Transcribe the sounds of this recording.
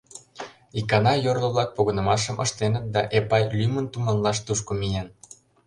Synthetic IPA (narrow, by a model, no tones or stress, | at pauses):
ikɑnɑjorlə̆βlɑk̚poɣɤ̆nə̆mɑʃ̬əmʔə̰ʃt̪enət̪̚d̪ɑʔepɑjlymənt̪umɑnlɑʃt̪uʃkomijen